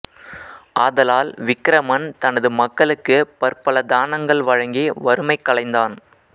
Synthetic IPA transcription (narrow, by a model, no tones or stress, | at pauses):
ʔaːðɐlaːlʋɪkːɾɐmɐnt̪ɐnɐðɯmɐkːɐɭɯkːɯpɐɾpɐlɐd̪aːnɐŋɡɐɭʋɐɻɐŋɡiːʋɐɾɯmɐɪkːɐɭɐɪnd̪aːn